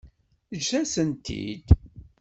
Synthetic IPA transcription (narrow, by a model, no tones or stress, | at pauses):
əd͡ʒθæsənt̪ʰḭd̪